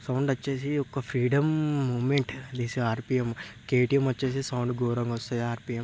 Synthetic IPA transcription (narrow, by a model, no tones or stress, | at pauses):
sɐwɳɖɐt͡ʃːeːsiɔkːɐpʰɾiːɖɐmːuːmeɳʈd̪iːsiaːɾpiːjɐmkeːʈijɐmʋɐt͡ʃːe̞ːs̬isɐwɳɖɡoːɾɐŋɡɔst̪aːjiaːɾpiːjɐm